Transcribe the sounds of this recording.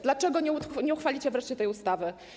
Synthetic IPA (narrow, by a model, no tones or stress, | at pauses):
d̪lat͡ʂɛɡɔɲɛut̪ɲɛuxfalʲit͡ɕɛvɾɛʂt͡ɕɛt̪ɛjust̪avɘ